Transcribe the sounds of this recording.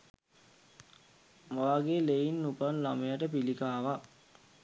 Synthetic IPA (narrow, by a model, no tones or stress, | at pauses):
maːɡeleinːupanlamejaʈəpilikaːʋa